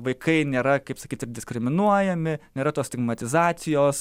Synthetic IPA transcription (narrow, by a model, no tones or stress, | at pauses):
ʋɐɪkɐɪnʲeːɾɐkɐɪpsɐkʲiːt̪ɪɾd̪ʲɪskɾʲɪmʲɪnuɔjɛmʲɪnʲeːɾɐt̪oːst̪ʲɪɡmɐt̪ʲɪzɑːt̪sʲɪjoːs